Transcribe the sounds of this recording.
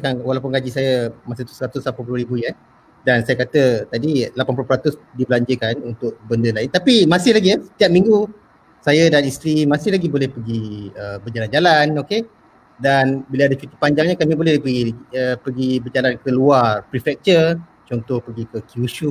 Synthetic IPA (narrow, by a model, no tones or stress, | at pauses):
kanwalap̬ʊnɡad͡ʒisajəmasiht̪u̥səɾat̪ʊslapapuluɾibuian | dansajakat̪ət̪adilapanpulupɾat̪ʊsdibəlaɲd͡ʒəkanunt̪ʊʔ̚bəndəlaɪnt̪apimasɪhlaɡiasə̥t̪iap̚mĩŋɡu | sajədanist̪ɾimasɪhlaɡibolɛhpəɡiəbəd͡ʒaland͡ʒalanoke | danbiləadat͡ʃut̪ipaɲd͡ʒaŋɲakamibolɛhipəɡiəpəɡibəd͡ʒalankəluarpɾifɛk̚t͡ʃər | t͡ʃɔnt̪ɔhpəɡikəkiuʃu